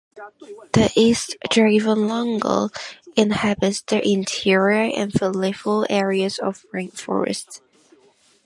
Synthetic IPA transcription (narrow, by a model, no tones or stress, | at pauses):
ðəʔistd̥ivə̃nlʌ̃ŋɡə̰lˠɪ̃nhæbɨtsðəʔɪ̃ntʰɪɹiə˞ʔɨ̰̃nfəlɪfəl̩ˠɛɹiəzə̰vɹɪ̃ŋkfɔ̰ɹɨ̰sts